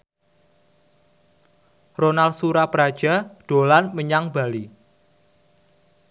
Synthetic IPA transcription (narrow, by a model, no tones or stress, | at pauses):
ronalsuɾapəɾad̥ʒ̥a̤ɖ̥o̤lanməɲaŋba̤li